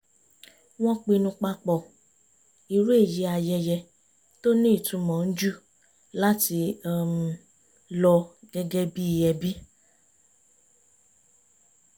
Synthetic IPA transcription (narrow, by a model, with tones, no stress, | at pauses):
w̃ɔ̃˦k͡pi˧nũ˧k͡pa˧k͡pɔ˨ | i˨ɾu˦e˦˨ji˨˦a˧jɛ˧jɛ˧ | to˦nĩ˦i˦˨tũ˨˧mɔ̃˨n̩˦d͡ʒu˦˨ | la˦ti˧˦m˨˧ | lɔ˧ɡ̥ɛ˧ɡɛ˦bi˦i˧jɛ˧bi˦